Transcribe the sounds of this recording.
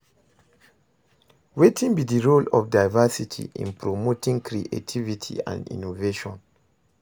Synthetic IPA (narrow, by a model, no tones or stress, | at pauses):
wetʰĩnbidiɹolɔfdaɪvasitʰḭʔḭ̃npɹomotĩŋkɹiʔḛtʰivitʰḭã̰nḭ̃noveʃɔ̃n